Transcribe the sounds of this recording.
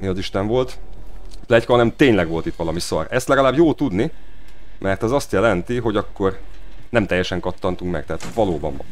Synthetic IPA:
niɒziʃt̪ɛɱvo̞lt̪ | plɛckɦɒnɛmt̪eːɲlɛɡʋo̞lt̪it̪ʋɒlɒmisɒ̰rɛst̪lɛɡɒlaːbjoːt̪ud̪ni | mʔɛrt̪ɛzɒst̪jɛlɛnt̪iɦo̞ɟɒkːo̞rnɛmt̪ɛjːɛʃɛŋkɒt̪ːɒnt̪uŋkmɛ̰k̚t̪ɛɦaːt̪ʋɒloːbɒ̰n

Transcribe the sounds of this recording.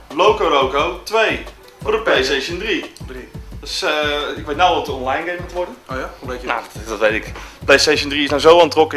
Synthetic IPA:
lokoɾowkowtʋej | fʊrdəplejsejʃəndri | dɔsəɪkʋejtnawʋɔtdəɔnlajnɡejmutʋɔrdənnadɔtʋejtɪkplejstejʃəndriɪsnawzowantrɔkə

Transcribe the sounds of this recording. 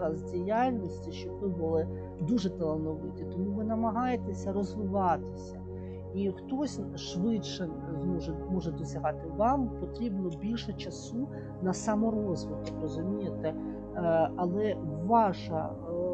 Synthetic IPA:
ɾɐzdʲijalʲnʲɔsʲtʲiʃt͡ʃɔbʋɪbʊlˠɪ | d̪uʐɛt̪elˠɐʋnɔʋɪtʲit̪ɔmuʋɪnɐmɐɦɑjet̪esʲɐɾɔzʋɪʋɑt̪ɪsʲɐ | ixt̪ɔsʲ | ʃʋɪtʃɛ | zmɔʒɛmɔʒɛd̪ɔsʲɐɦɑt̪ɪʋɑmpɔt̪ɾʲibnɔbʲilʲʃɛt͡ʃɐsu | nɐsɐmɔɾɔzʋɪd̪kkrɔzʊmʲijet̪ɛ | ɐlˠɛʋɑʃɐ

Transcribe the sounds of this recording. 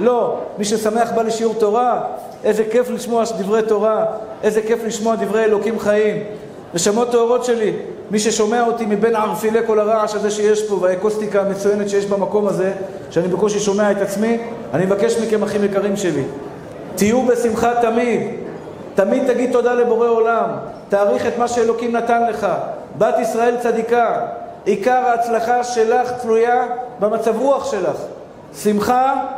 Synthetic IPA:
lo̞miʃesame̞aχbaleʃiuʁt̪o̞ʁa | ʔe̞zeke̞fliʃmo̞ad̪ivʁe̞jt̪o̞ʁaʔe̞ze̞ke̞fliʃmo̞ad̪ivʁe̞jelo̞kimχaim | neʃamo̞t̪ːoːʁo̞t̪ʃe̞li | miʃe̞ʃo̞me̞aot̪imibe̞nʕaʁfile̞ko̞laʁaaʃazeʃeje̞ʃbo̞veaeko̞st̪ikaːmet͡suje̞net̪ʃejeʃbamako̞maze̞ | ʃeanibekoʃ̬eʃo̞me̞aet̪at͡smianimevake̞ʃmikemaχimjekaʁimʃe̞li | t̪ijube̞simχat̪amid̪ | t̪amid̪̚t̪aɡid̪̚t̪o̞d̪ale̞bo̞ʁe̞o̞lam | t̪aːʁiχe̞t̪maʃeelo̞kimnat̪anle̞χa | bat̪isʁae̞lt͡sad̪ika | ikaʁaːt͡slaχaʃe̞laχt͡slujabamat͡savʁuaχʃe̞laχ | simχa

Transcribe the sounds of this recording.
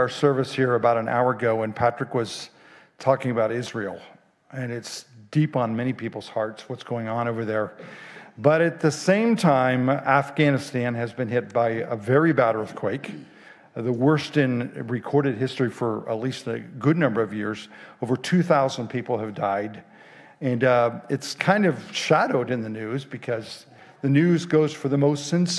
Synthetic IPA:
ə˞sɜ˞vɨshiɹɨbaʊɾɨ̃na̰ʊə˞ɨɡoʊwɨ̃npʰæt͡ʃɹ̥ɨkwʌz̥ | tʰɔkɪ̃ŋɨbaʊɾɪzɹil̩ˠ | ɨ̃nɨtsd̥ipn̩mɛñipʰipl̩ˠz̥hɑɹtswʌtsɡ̥oʊɪ̃ŋə̃noʊvə˞ðə˞ | bʌɾɨt̪̚ðɨsẽɪ̃mtʰãɪ̃mæfɡ̥ænɨstæ̃nɨzbɨ̃nɦɪt̚b̥aɪəvɛɹibæɾɜ˞θkʰw̥eɪk | ðəwɜ˞stɨ̃nɹɨkʰɔɹɾɨd̚ɦɪstɹ̥ifə˞ə̰tˡlistɨɡʊdⁿnʌ̃mbə˞ʌvjɪɹzoʊvə˞tʰʉθaʊz̃n̩pʰipl̩ˠɨvdaɪɾ | ɨ̃nɨtskʰãɪ̃ndʌv̥ʃæɾoʊɾɨ̃nðɨnʉzbɨkʰʌz | ðɨnʉzɡoʊz̥fə˞ðəmoʊstsɨ̃ns

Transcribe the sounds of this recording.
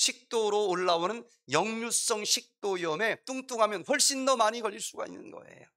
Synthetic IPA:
ɕʰik̚t͈oɾoːɭːawonɯn | jʌŋɲus͈ʌŋɕʰik̚t͈oiʌme̞t͈uŋt͈uŋɦamjʌnɸwʌɭɕ͈indʌmaɲiɡʌʎːiɭs͈uɡa̰ḭnːɯ̰nɡʌ̰e̞̰jo

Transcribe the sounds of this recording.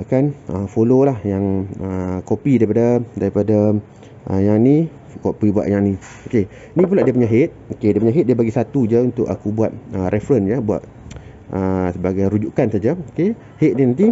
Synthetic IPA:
kanəfololahjaŋəkopidaɾipadadaɾipada | ʔə̰jaŋni | kopibua̰ʔjaŋni | oke | nĩp̬ulaʔdiəpuɲaɦɪt̪̚okediəpuɲaɦɪt̪̚diəbaɡisat̪ud͡ʒəunt̪ʊʔa̰kubuat̪̚ərʔɛfɾənjəbua̰ʔ̪̚ | ʔəsəbaɡajɾud͡ʒuʔkansad͡ʒaoke | hit̪̚ninant̪i

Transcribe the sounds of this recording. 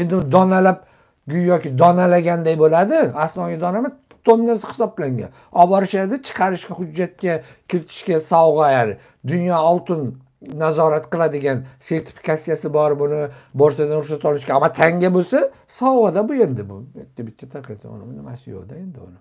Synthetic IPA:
e̞nd̪ɪʊnd̪ɒnalap̚ | ɡʲʊjjɒkʲɪd̪ɒnalaɡʲand̪ajbolad̪ɪaslˠɒɡʲad̪ɒnama | t̪ʰonːasɪ̥hɪ̥sɒblaŋɡʲa̰n | ɒbɒɾɪʃad̪ɪt͡ʃʰɨ̥qʰɑɾɪʃkʲahʊd͡ʒːat̪̚kʲa | kʲʰɪɾɪt̪ʰɪ̥ʃkʲasɒwʁajaɾɪ | d̪ʊnjɒːlˠt̪ɪnː | azɒɾat̪qɨlˠad̪ɪɡʲanse̞ɾt̪ʰɪ̥fi̥kasijasɪbɒɾbʊnɪbɒɾsad̪anʊɾsat̪ɒlˠɪʃkʲaamːat̪ʰaŋɡʲabosa | sɒwʁɑd̪abʊe̞nd̪ɪbʊet̪ːabɪt̪ʰːat̪ʰaɾqʰiat̪ʰɒ̰lamnɪmasɪjo̰d̪ae̞nd̪ɪʊ̰nɪ

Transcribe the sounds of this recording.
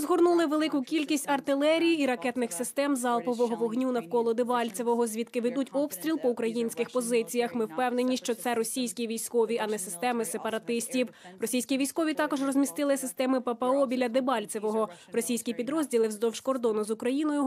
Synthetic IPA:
zɦɔrnulˠɪʋelˠɪkʊkʲilʲkʲisʲtʲɐrt̪ɪlˠɛɾʲijiɾɐkɛt̪nɪxsɪst̪ɛmzɑlˠpɔʋɔɦɔʋɔɦnʲunɐwkɔlˠɔd̪ebɑlʲt͡sʲeʋɔɦɔzʲʋʲid̪kɪʋed̪utʲɔpst̪ʲɾʲilˠpɔukɾɐjinʲsʲkɪxpɔzɪt͡sʲijɐxmɪwpɛwnenʲiʃt͡ʃɔt̪sɛɾɔsʲijsʲkʲiʋʲijsʲkɔʋʲiʔɐnɛsɪst̪ɛmɪsepɐɾɐt̪ɪsʲtʲiwrɔsʲijsʲkʲiʋʲijsʲkɔʋʲit̪ɑkɔʒrɔzʲmʲist̪ɪlˠɪsɪst̪ɛmɪpepeɔbʲilʲːɐd̪ɪbɑlʲt͡sʲɪʋɔɦɔ | rɔsʲijsʲkʲipʲid̪ɾɔzʲdʲilˠɪwzd̪ɔwʃkɔrd̪ɔnʊzʊkɾɐjinɔjʊ

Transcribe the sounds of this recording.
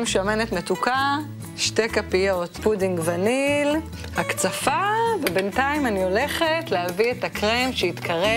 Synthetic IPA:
mʃomenetmetuka | ʃte̞kapijotpudiŋɡvanil | hakt͡safavebe̞ntaimanio̞le̞χetlehavietakʁemʃeitkʰaʁe

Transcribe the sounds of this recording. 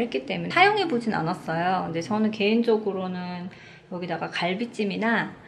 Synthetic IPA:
ek͈it͈e̞mjuajoŋe̞bod͡ʑina̰nas͈ʌjokɯnde̞t͡ɕʌnɯnke̞ind͡ʑʌɡɯɾonɯn | jʌɡidaɡakaɭbit͡ɕ͈imina

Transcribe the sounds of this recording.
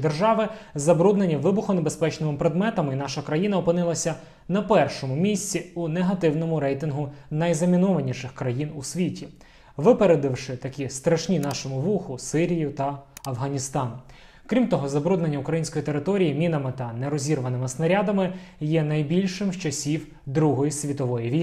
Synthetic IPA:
d̪erʒɑʋɪzɐbɾud̪nenʲːiʋɪbʊxʊnebespɛt͡ʃnɪmɪpɾed̪mɛt̪ɐminɑʃɐkɾɐjinɐɔpɪnɪlˠɐsʲɐ | nɐpɛrʃɔmʊmʲisʲt͡sʲiuneɦɐt̪ɪwnɔmʊɾɛjt̪ɪnɦʊnɐjzɐmʲinɔʋɐnʲiʃɪxkɾɐjinusʲʋʲitʲi | ʋɪpeɾed̪ɪwʃɪt̪ɐkʲist̪ɾɐʃnʲinɑʃɔmʊʋuxʊsɪɾʲijʊt̪ɐɐwɦɐnʲist̪ɑnʊ | kɾʲimt̪ɔɦɔzɐbɾud̪nenʲːɐʊkɾɐjinʲsʲkɔjit̪eɾɪt̪ɔɾʲijimʲinɐmɪt̪ɐneɾɔzʲirʋɐnɪmɪsnɐɾʲad̪ɐmɪjɛnɐjbʲilʲʃɪmt͡ʃɐsʲiw | d̪ɾuɦɔjisʲʋʲit̪ɔʋɔjiʋʲij

